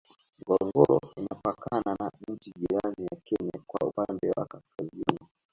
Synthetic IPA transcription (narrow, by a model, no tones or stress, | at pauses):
ŋɡɔɔŋɡɔɾɔ̰inapakananaɲ̩t͡ʃiʄiɾanijakɛɲakwa̰ṵpandɛwakaskazina